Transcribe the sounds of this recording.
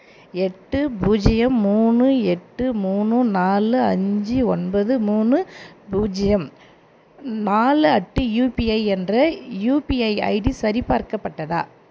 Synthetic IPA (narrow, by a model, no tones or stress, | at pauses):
ɛʈːɯbuːd͡ʒɪjɐmːuːɳɯɛʈːɯmuːnːɯnaːlɯɐɲd͡ʒiɔnbɐðɯmuːnɯbuːd͡ʒɪjɐm | naːlɯɐʈːɯjuːpiɐɪɛndrɐjuːpiɐɪɐ̰ɪɽisɐɾɪpaːɾkɐpːɐʈːɐða̰ː